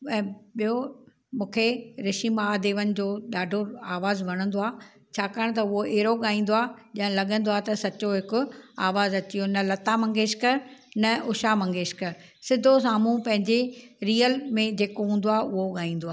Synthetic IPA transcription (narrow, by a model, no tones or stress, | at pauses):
ɛ̃ːɓijo | mũːkʰeɾɪʃimaːd̪eːʋənɪ̆d͡ʑoːɗaːɖʱoaːʋaːzʋɐɽ̃ə̃n̆d̪oaː | t͡ɕʰaːkaːɽ̃̆t̪̬ɐʊɦoʔeɦɾoɠaːĩːn̆d̪oaːʄɐ̃ɦə̃lɐɠə̃nd̪oaːt̪ɐsɐt͡ɕoɦɪkʊaːʋaːzɐt͡ɕijonɐlɐt̪amɐ̃ŋɡeːʃkɐɾnɐʔʊʃamɐ̃ŋɡeːʃkɐɾ | sɪd̪ʱos̬aːm̤ũpɐ̃ɦɪ̃ɲd͡ʑeɾiːəlmẽd͡ʑeːkoɦũːn̆d̪oaːʊɦoɠaːĩːn̆d̪oaː